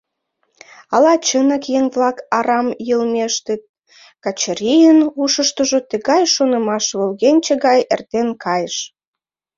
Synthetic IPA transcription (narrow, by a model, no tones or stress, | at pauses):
ɑlɑt͡ɕənəkjeŋβlɑkɑɾɑmjəlmeʃt̪et̪̚ | kɑt͡ɕəɾʲijənuʃəʃt̪əʒot̪ə̆ɣɑjʃonə̆mɑʃβolɣenʲt͡ɕəɣɑjḛrt̪enkʰɑjəʃ